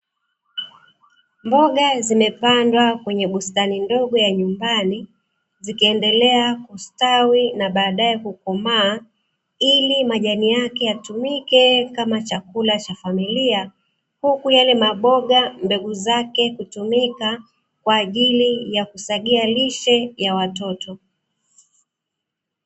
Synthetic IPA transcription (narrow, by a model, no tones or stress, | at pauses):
mbɔɠazimɛpandwakwɛɲɛɓustanindɔɠɔjaɲumbani | zikiɛndɛlɛakustawinaɓaːɗaɛkukɔmaː | ilimaʄanijakɛjatumikɛkamat͡ʃakulat͡ʃafamilia | hukujalɛmaɓɔɠambɛɡuzakɛkutumika | kwaːʄilijakusaɠialiʃɛjawatɔtɔ